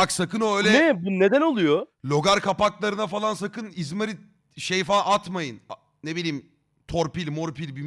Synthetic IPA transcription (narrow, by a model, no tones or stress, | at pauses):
aksakɯnoøːjlʲɛɛbine̞d̪æno̞lˠujolʲo̞ɡaɾkʰapaklˠaɾɯnafalˠansakʰɯnizmaɾi | ʃejfaːʔat̪majɯn | nebilʲiːm | t̪ʰoɾpilʲmoɾpʰilʲbi